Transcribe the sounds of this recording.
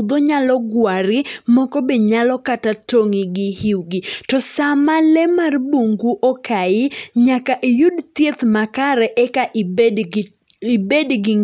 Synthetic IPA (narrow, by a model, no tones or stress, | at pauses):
d̪oɲalɔɡwaɾɪmɔkɔbeɲalɔkatatoŋɪɡɪhiwɡɪtɔsamalɛmarbuŋɡuʔɔkʰaɪɲakaʔijudt̪jet̪makaɾɛʔɛkaʔ | ibedɡɪ